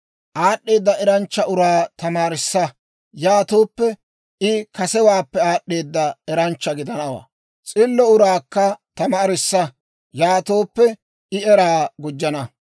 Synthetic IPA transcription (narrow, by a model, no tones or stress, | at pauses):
ʔaːɗːe̞ːd̪ːɐʔɛɾɐnt͡ʃːɐʔʊɾaːt̪ɐmaːɾɪsːɐ | jaːt̪o̞ːpːɛ | ɪkɐsɛwaːpːɛaːɗːe̞ːd̪ːɐɛɾɐnt͡ʃːɐɡɪd̪ɐnɐwa̰ː | t͡sʼɪlːɔʊɾaːkːɐt̪ɐmaːɾɪsːɐ | jaːt̪o̞ːpːɛ | ɪɛɾaːɡʊd͡ʒːɐnɐ